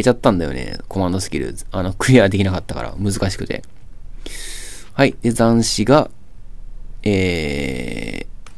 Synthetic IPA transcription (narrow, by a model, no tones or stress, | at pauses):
et͡ɕat̪ːãnd̪ajo̞̰nḛkʰo̞mãnd̪o̞sɨ̥kʲiɾɯ̟̰ano̞kɯ̟ɾʲijad̪e̞kʲinakat̪ːaka̰ɾa̰mɯ̟zɨkaɕi̥kɯ̟t̪e̞̰ | haid̪̥e̞zãɰ̃ɕiɡa | eː